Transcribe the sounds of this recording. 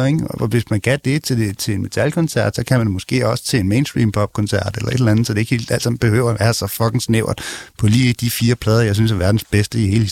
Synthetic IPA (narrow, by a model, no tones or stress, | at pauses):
eŋɒʋe̝smænɡ̥æd̥e̝t͡sʰe̝̥et͡sʰe̝lenme̝t͡sʰælkʰɒ̽nsæɐ̰d̥sɒ̽kʰæmæd̥emɒ̽sɡ̥e̝̰ːɒ̽sə̥t͡sʰeːnmeːnsd̥ʁḭːmpʰɒ̽b̥̚kʰɒ̽nsæɐ̰d̥elɐe̝d̥lænð̩ˠsɒdee̝ɡ̥he̝̰ːld̥æl̰sɑ̈m̰b̥e̝hø̰ʊ̰ɐæʋæːɐsɒ̽fɒ̽ɡ̥n̩sneʊɐd̥ˠpʰɒ̽liːd̥ifiːɐpʰlɛːð̞ˠɐjɑ̈ɪsynsæɐʋæɐd̥n̩sb̥esd̥əihe̝ːləi